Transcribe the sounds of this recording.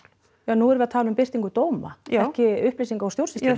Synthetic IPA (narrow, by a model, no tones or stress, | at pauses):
jaːnuɛɾvɪat̪ʰaːlʏʏmpɪr̥t̪iŋkʏt̪oːwma̰ɛhcɪʏhplejsiŋkaawst̪jowrsɪsa